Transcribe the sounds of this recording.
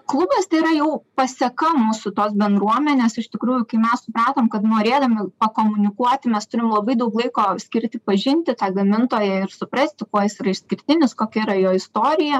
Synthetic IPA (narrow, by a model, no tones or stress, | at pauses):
klˠʊbʲeːst̪ɐɪiɾɐjɛʊpɐsʲɛkɐmuːsʊt̪oːsbʲɛnd̪ɾuɔmʲɛnʲeːsɪʃt̪ʲɪkɾuːjʊkɐɪmʲɛssʊpɾɑːt̪oːmkɐt̪noːɾʲeːd̪ɐmʲɪpɐkoːmʊnʲɪkuɔt̪ʲɪmʲɛst̪ʊɾʲɪmlˠɐbɐɪd̪ɐʊklˠɐɪkoːsʲkʲɪɾʲt̪ʲɪpɐʒʲɪnʲt̪ʲɪt̪ɑːɡɐmʲɪnt̪oːjɛɪrsʊpɾɐsʲt̪ʲɪkoɔjɪsiːɾɐɪʃsʲkʲɪɾʲt̪ʲɪnʲɪskoːkʲɛiɾɐjoːɪst̪oːɾʲɪjɛ